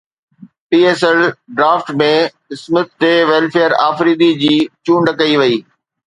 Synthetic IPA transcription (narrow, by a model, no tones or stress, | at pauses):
piːeːsɛlɖɾaːfʈmẽ | ɪsmət̪̚t̪ːeʋɛːlfeːəɾaːfɾiːd̪id͡ʑiːt͡ɕũːɳɖkɐiʋɐiː